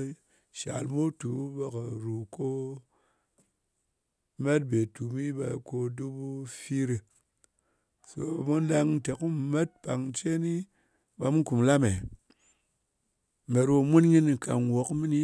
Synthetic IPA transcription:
ʃa̰˨lmu˦tu˨˦ba˨ka˨ɾu˨ko˦ | me˦t̚be˨tu˨mi˦ba˧ko˧du˦bu˦fi˦ɾi˧ | so̰˧a˨mu˦n˦la˧ŋ˦te˨ku˦˨me˦t̚pa˨ŋt͡ʃe˦ni˦ | ba˧mu˦ku˨mla˦me˨ | me˨ɾo˧mu˦nɲi˦ni˨ka̰˨ŋ˨wo˨˦kmi˦ni˦

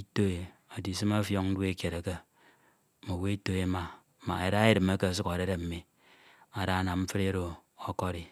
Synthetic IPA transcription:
i˦to˦e˨ | a˨di˨s̬ɨ˦ma˦fjo˦ŋ̩˦de˦kje˨ɾa˨ka˦ | mo˨we˦i˦to˦e˨˦ma˨ | ma̰˨e˨ɾa˦e˦ɾɨ˨ma˦ka˦˨s̬u˦ka˨ɾe˦ɾe˦˨m̩˨mi˦ | a˨ɾa˦na˨mm̩˦fɨ˦ɾe˦ɾo˨ | o˦ko˦ɾi˨

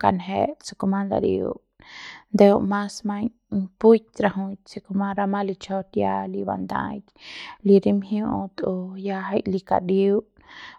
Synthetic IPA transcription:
ka̰˧nɦe˧t͡si̥˧ku˧mã˦nd̪a̰˧ɾḭṵ˧ʔ | nd̪e˧u˧ʔma˦sma˧ɲ | pu˦t̪̚ʲɾa˧ɦũ˧tt͡si˧ku˧mã˦ɾa˧mã˦li˧t͡ʃo˦t̪ja˦li˧ba̰˧nd̪ã̰˧jkli˧ɾi˦mhju˦ʔt̪o˧ja˧ɦa˧jli˧ka̰˨ɾi˦u

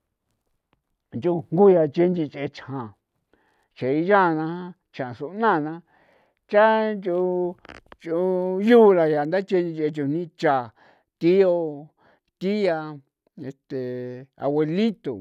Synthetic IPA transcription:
nt͡ʃu˧ŋ˦ɡu˦ja˧t͡ʃe˧nd͡ʒĩ˧t͡ʃe˧t͡ʃhã˨ | t͡ʃe˨i˧ja˦˨˧nã˧hã˦ | t͡ʃã˨ʂu˧nã˦˨nã˧˦ | t͡ʃa˦nd͡ʒu˧ | t͡ʃu˧juː˦˧la˧ja˨nd̪a˦t͡ʃe˧nĩ˧t͡ʃe˧t͡ʃu˧nĩ˦t͡ʃa˨ | t̪i˦o˧ | t̪i˦ja˧ | e˨t̪e˨a̰˧we˧lĩ˦t̪o˨

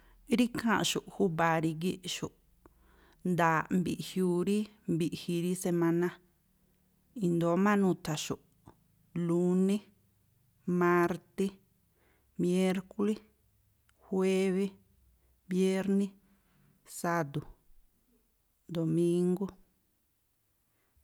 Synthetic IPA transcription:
ɾi˦kʰã˦˨ʃu˨ʔhu˦ba˨˧ɾi˧ɡe˦ʔʃu˨ʔ | nd̪aː˨mbi˨ʔhju˧ɾi˦ | mbi˧ʔhi˧ɾi˦se˧mã˧nã˦ | ĩ˧nd̪o˨˦mã˦nũ˧t̪ʰa˨ʃu˨ʔ | lu˧nẽ˦ | mã˧ɾt̪e˦ | me˦ɾku˦le˦ | hwe˦βe˦ | bje˦ɾnĩ˦ | sa˧d̪u˨ | d̪o˨mĩ˦ŋɡo˦

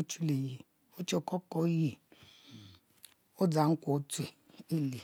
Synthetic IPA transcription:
u˦t͡ʃu˦le˨ji˨ | u˦t͡ʃe˦˨kɔ˦kɔ˦ji˨ | o˦d͡za˨˦ŋ̩˦kʼo˨˦tʰe˨i˦li˨

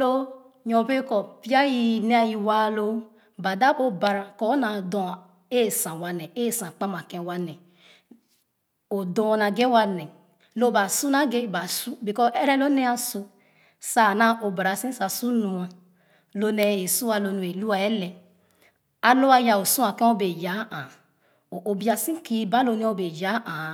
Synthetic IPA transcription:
o˦ | ɲɔ̃˨be˦kɔ˨pi˦a˦ji˦ne˦a˦ji˨wa˦˨lo˦ | ba˨da˦bo˦ba˨ɾa˨kɔ˦na˨dɔ̃˨ | e˦˨sã˨wa˨nɛ˨e˦˨sã˨k͡pa˦ma˨kɛ̃˨wa˦nɛ˨ | o˨dɔ̃˦˨˦na˨ɡe˦wa˦nɛ˨ | lo˦ba˨su˦na˦ɡe˦˨ba˨su˦bi˨kɔ˦ʔɛ˦ɾɛ˦lo˦nɛ˦a˦su˧ | sa˦˨na˦ʔo˨ba˨ɾa˨sĩ˦sa˨su˦nu˨a˨ | lo˦nɛ˨e˨su˦a˨lo˨nu˨e˨lu˦a˨ɛ˦lɛ˨ | a˨lo˦a˦ja˨o˨sũ˦a˨kɛ˦o˦be˨ja˨˦a˨ | o˨ʔo˨bi˦a˨sĩ˦ki˦ba˦lo˦ne˦o˦be˨ja˨˦ʔa˨

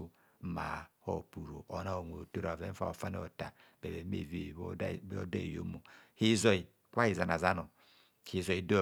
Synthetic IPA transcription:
ma̰˨ho̰˦˨pu˨ɾo̰˨ʔo˨na˦o˨ŋʷo˨to˦ɾa˨vɛ˦fa̰˦˨o˨fa˦n˦ɔ˨ta˨bɛ˨bɛ˨˦mḛ˨ve˨˦˨ɔ˦da˦i˨jo̰˦mo˨hi˦zɔ˨i˨ | kʷa˦hi˨za˨na˨za˦no˨ | hi˨zɔ˨i˨do˦

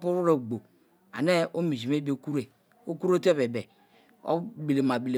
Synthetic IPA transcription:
pu˦ɾu˦ɾe˨ɡ͡bo˨ | a̰˨ne˦o˦mi˨d͡ʒi˨m˦e˦be˦ku˦ɾe˨ | o˦ku˦ɾo˦te˦be˨bɛ˨ | o̰˦bi˨le˨ma˨bi˨le˨

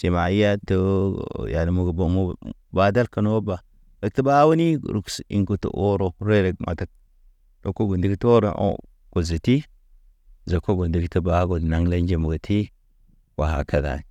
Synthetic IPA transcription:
si˨ma˨i˦ja˦to˦ja˨ni˨mu˦˨ɡbo˨mu˦ | ba˦da˦lka˨no˦wo˦ba˨ | ɾe˨k̚tə˦ba˦wu˦ni˦˨ɾṵ˨ksḭ˨ŋku˦tṵ˨ʔo˦ɾo˨ɾe˦ɾe˨ɡma̰˨ta˨˦k̚ | do˦kːo˦ɡu˨ndi˦ɡto˦ɾo̰˨˦˨ | ɡ̥o˨zi˨ti˦ | za˨kːo˦ɡo˨ndi˨˦ktə˦ba˦ɡo˨na˦ŋle˦nd͡ʒe˨mu˨ɡə˨tʰi˦ | wa˨ɦa̰˨kʰa˨da̰˨n˨

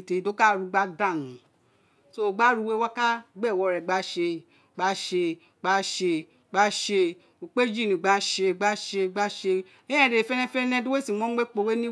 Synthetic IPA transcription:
te˨i˨˦to˦ka˦˨ɾu˨˧ɡ͡ba˦da˦˨nũ˨ | so˦˨ɡ͡ba˦ɾu˦˧we˦wɔ˦ka˦ɡ͡bɛ˦˨wɔ˧ɾɛ˨ɡ͡ba˨˦ʃe˧˨ | ɡ͡ba˧˦ʃe˧ | ɡ͡ba˦ʃe˧˨ | ɡ͡ba˦ʃe˧ | o˨k͡pe˦d͡ʒi˦˨nĩ˨ɡ͡ba˦ʃe˧˨ɡ͡ba˦ʃe˧˨ɡ͡ba˦ʃe˧ | ẽ˦ɛ̃˦˨de˨fɛ˦nɛ̃˦fɛ˦nɛ̃˦du˦we˦si˨mɔ̃˦ɡ͡be˦k͡po˧we˦nĩ˦

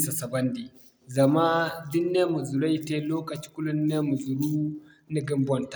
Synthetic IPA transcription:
sa˨sa˨ba˦ndi˨ | za˨ma˦di˦nːe˦mu˨zu˨ɾa˦jte˦loː˦ka˨t͡ʃi̥˦ku˦lu˦nne˦mu˨zu˨ɾu˦ | ni˦ɡi˦mbɔ˦˨nta˨

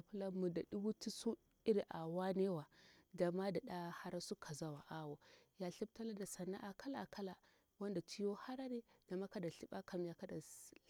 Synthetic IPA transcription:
a˨pu˦la˦mu˨da˨ɗu˦bu˦ti˦su˦ | i˦ɾi˨ʔa˨wa˦ne˦wa˨ɡa˨ma˦da˨ɗa˦ha˦ɾa˦su˦kʰa˨za˦wa˨ʔa˦wo˨ja˨ɬi˦b̚ta˦la˦da˨sa˨nːa̰˦ʔa˨ka˦la˨kʰa˦la˨ | wa˦nda˨t͡ʃi˦jo˦ha˦ɾa˦ne˦ɡ̥a˨ma˦ka˦da˨ɬi˦ɓa˦kʰa˨m˦ja˨ka˦da˨

